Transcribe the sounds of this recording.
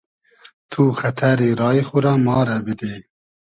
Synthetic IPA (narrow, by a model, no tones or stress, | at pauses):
t̪ʰuːxɐt̪ʰæɾiːɾɑːixʊɾɑːmɑːɾɛbɪd̪e